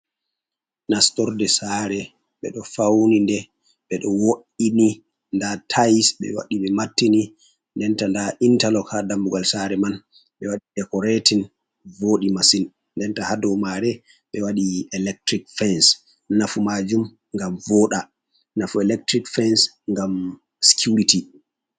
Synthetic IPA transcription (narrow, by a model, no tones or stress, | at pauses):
nastɔɾdɛsaɾɛ | ɓɛ̰ɗɔfawnindɛ | ɓɛɗɔwoɗini | ndatʰajsɓɛ̰wa̰ɗiɓɛmatːini | ndɛntandaʔintalɔkʰadambuɡalsaɾɛman | ɓɛwaɗidɛkɔɾetin | voɗimasin | ndɛntahadɔmaɾɛ | ɓɛwaɗiɛlɛk̚tɾikfɛns | nafumad͡ʒum | ŋɡamvɔɗa | nafuɛlɛk̚tɾikfɛns | ŋɡam | si̥kʰuɾiti